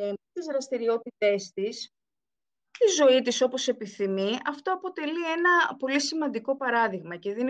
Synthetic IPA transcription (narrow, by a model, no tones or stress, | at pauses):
et̪izɾɐst̪iɾio̞t̪it̪e̞st̪is | t̪izo̞it̪iso̞po̞se̞piθimiɐft̪o̞ɐpo̞t̪e̞lie̞nɐpo̞lisimɐnd̪iko̞pɐɾɐðiɣmɐce̞ðen